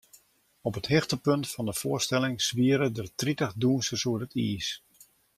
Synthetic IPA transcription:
ɔpəthɪxtəpøntfɑndəfʊərstɛlɪŋsʋiəɾədərtritəχduːnsəsuərətʰiːs

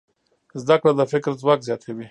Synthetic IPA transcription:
zd̪akɽad̪əfɪkɾzwakzjɑt̪ʰewi

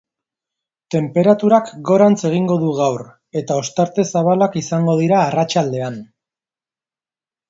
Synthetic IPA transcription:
t̪e̞mpe̞ɾat̪uɾakɡo̞ɾant͡se̞ɣ̞iŋɡo̞ðuɣ̞awr | e̞t̪ao̞st̪aɾt̪e̞saβ̞alakisaŋɡo̞ð̞iɾaːrat͡ʃald̪e̞an

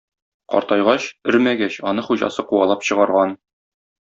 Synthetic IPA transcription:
qɒ̰ɾt̪ɑjʁɑɕɵɾmæɡæɕɒnɤχuʑɑ̰sɤquɑlˠɑpɕɤ̆ʁɑɾʁɑn

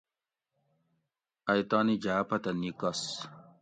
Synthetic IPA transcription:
ɐjt̪aːnid͡ʑaːpɐt̪ɐnikɐs

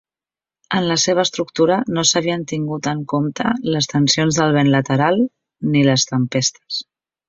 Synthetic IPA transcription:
ənləseβ̞əːst̪ɾuk̚t̪uɾənosəβ̞iənt̪iŋɡut̪əŋkomt̪ə̰ləst̪ənsionzðəlˠβ̞enlət̪əɾalˠ | niləst̪əmpest̪ə̥s

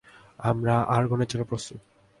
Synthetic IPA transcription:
amɾaʔaɾɡʱɔned͡ʑelopɾost̪ut̪

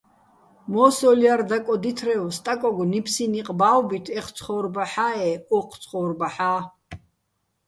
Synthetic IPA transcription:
mɔːsɔljaɾd̪akʼɔd̪it̪ʰɾɛwst̪ʼakʼɔɡɔnipʰsiniqʼbawbit̪ʰɛχʰt͡sʰχɔɾbaħaɛɔqʰt͡sʰʼχɔɾbaħaː

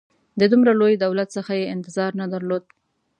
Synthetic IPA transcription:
d̪əd̪umɾalojd̪awlat̪səxajeɪnt̪ɪzɑɾnad̪aɾlod̪̚

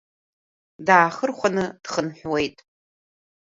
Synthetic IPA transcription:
daːχərχʷanɨd̥χənħʷᶣwe̞jtʼ

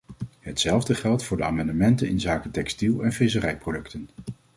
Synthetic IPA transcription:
ɦətsɛlˠvdəχɛlˠtfʊːɹdəa̰ːmɑndəmɛntənɪnzaːkətɛkstilˠɛnfɪs̬ərɛjprowdɵktən

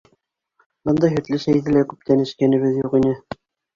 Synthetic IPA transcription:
bɤnd̪ɑjɦɵ̆t̪lɘsæjðɘlækʉp̚t̪ʰænɘ̆ʃkænɘ̆βɘðjuqinɘ

